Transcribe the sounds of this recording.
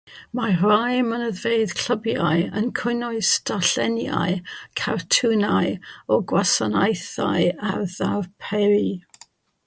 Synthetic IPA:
marajmənəðveɨð̥kʰləbja̰ɨənkʰʊnɔɨstaɬɛnja̰ɨkʰartʰunaɨɔɡwasanajθa̰ɨarðarpʰɛɾi

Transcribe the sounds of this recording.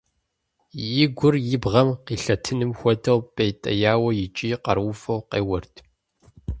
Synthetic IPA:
jɪɡʷʊrjɪbʁɐmqiːɬɐtʰɨnɨmxʷɔdʰɐwpʼejtʼɐ̰jaːwɐjɪt͡ʃʼiːqɐ̰rwʊfɐwqḛːwɐrtʰ

